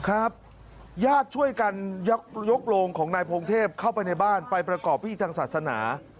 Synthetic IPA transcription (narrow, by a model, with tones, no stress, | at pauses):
kʰɾa˦˥p̚ | jaː˥˩t̪̚t͡ɕʰu˥˩əjka˧nj̚jo˦˥k̚loː˧ŋkʰɔː˩˦ŋnaː˧jpʰoː˧ŋt̪ʰeː˥˩p̚kʰa˥˩wpa˧jna˧jbaː˥˩npa˧jpɾa˧kɔː˨˩pʰːiː˥˩t̪ʰaː˧ŋsaː˨˩t̪̚sa˧na̰ː˩˦